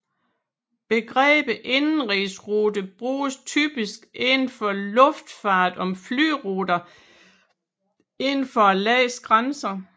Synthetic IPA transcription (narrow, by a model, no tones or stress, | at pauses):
b̥e̝ɡ̥ʁɛ̰ːb̥əʔe̝nn̩ʁisʁuːdəb̥ʁuːst͡sʰy̰ːb̥isɡ̥enn̩fɒ̽lɔ̽fd̥fɑ̈ːd̥ɒ̽mfly̰ːʁuːd̥ɐ | e̝nn̩fɒ̽ælɛːsɡ̥ʁansɐ